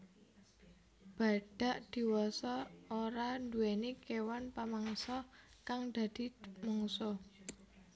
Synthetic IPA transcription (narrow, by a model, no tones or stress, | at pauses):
b̥a̤ɖ̥a̤ʔd̪̥i̤wɔsɔoɾanduwenikewanpamaŋsɔkaŋd̪̥ä̤d̪̥i̤mɔŋsɔ